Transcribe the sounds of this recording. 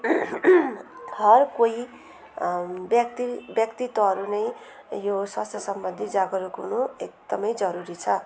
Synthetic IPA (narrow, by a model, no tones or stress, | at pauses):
hʌrkoi | bjʌkt̪ibjʌkt̪it̪ːʌɦʌɾunʌj | joswast̪ʰʌsʌmbʌnd̪ʱid͡zaɡʌɾukunuek̚d̪̥ʌmʌjd͡zʌɾuɾit͡sʰʌ